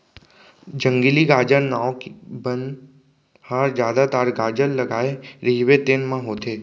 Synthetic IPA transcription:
d͡ʒə̃ŋɡiliɡaːd͡ʒənnaːokbən | haːɾd͡ʒjaːd̪at̪aːɾɡaːd͡ʒənləɡaːeɾiɦʋet̪eːnmãɦoːt̪e

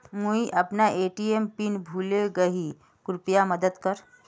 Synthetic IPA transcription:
muiʔɐpnaʔeːʈiempinbʱuːleɡəɦi | kʊɾpijaməd̪əd̪kəɾ

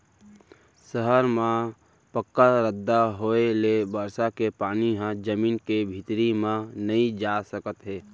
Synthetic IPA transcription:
səɦəɾmã | pəkːaɾəd̪ːaɦoːelebəɾsakepaːniɦãd͡ʒəmiːnkebʱɪt̪ɾimãnɐĩd͡ʒaːsəkət̪ɦeː

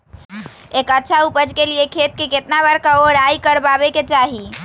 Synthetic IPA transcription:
ekətːt͡ʃʰaupəd͡ʒkeliekʰet̪̚keket̪naβəɾkaoɾajkəɾbabeket͡ʃaɦi

